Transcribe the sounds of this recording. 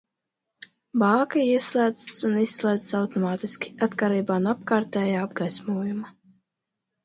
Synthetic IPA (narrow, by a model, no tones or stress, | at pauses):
baːkaiɛslæːd̪zsunisːlˠaːd̪zsawt̪ɔmaːt̪iskʲi̥at̪kaɾiːbaːnapkaːɾt̪ɛːjaːabɡajsmuɔjuma